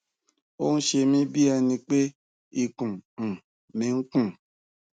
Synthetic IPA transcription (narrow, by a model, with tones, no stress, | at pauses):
o˦n̩˦ʃe˧mĩ˦bi˦a˧nĩ˧k͡pe˦ | i˧kũ˨ | mĩ˨˦ŋ̩˦kũ˦˨